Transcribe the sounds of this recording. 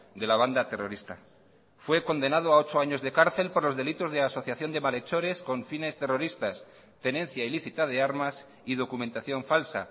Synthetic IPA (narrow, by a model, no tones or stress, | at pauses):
d̪e̞laβ̞and̪at̪e̞ro̞ɾist̪a | fwe̞ko̞nd̪e̞nað̞oao̞t͡ʃoaɲo̞zðe̞kaɾθe̞lpo̞ɾlo̞zðe̞lit̪o̞zðeaso̞θjaθjo̞nd̪e̞male̞t͡ʃo̞ɾe̞sko̞ɱfine̞st̪e̞ro̞ɾist̪as | t̪e̞nẽ̞nθjailiθit̪aðe̞aɾmas | iðo̞kument̪aθjo̞ɱfalsa̰